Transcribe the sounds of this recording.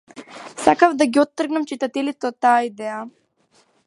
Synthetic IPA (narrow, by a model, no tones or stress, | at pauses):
sakavd̪aɡiɔt̪ːr̩ɡnamt͡ʃit̪at̪ɛlit̪ɛot̪ːaːid̪ɛa